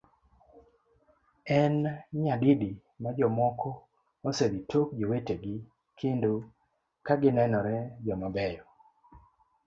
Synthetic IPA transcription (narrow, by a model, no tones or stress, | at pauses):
ɛnɲadidi | mad͡ʒɔmɔkʰɔ | osebitʰokd͡ʒoweteɡɪ | kʰendo | kaɡɪnɛnɔɾɛd͡ʒɔmabɛjɔ